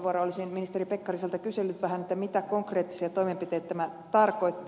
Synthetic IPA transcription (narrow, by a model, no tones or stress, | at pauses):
ʋuɑɾɑolisinminist̪eripekːɑriselt̪ækyselːyt̪ʋæhænet̪ːæmit̪ækoŋkreːt̪ːi̥siɑt̪oimempit̪eːt̪æt̪æmæ | t̪ɑrkoit̪ː